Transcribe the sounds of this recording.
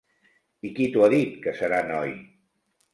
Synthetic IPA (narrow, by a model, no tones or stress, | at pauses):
ikit̪uwaðit̪kəsəɾanɔj